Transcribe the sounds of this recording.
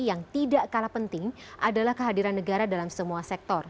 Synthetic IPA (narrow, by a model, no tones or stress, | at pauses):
jaŋt̪idaʔkalapənt̪ɪŋʔadalahkəɦadiɾanːəɡaɾadalamsəmuasɛk̚t̪ɔr